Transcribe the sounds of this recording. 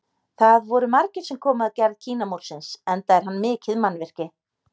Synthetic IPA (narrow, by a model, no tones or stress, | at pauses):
θaðvɔɾʏmaɾcɪɾ̥sɛmkʰɔːmɪaðcɛɾðcʰiːnamuɾ̥sɪnsɛnt̪aɛɾ̥ɦanːmɪːcʰɪðmanːvɪr̥cɪ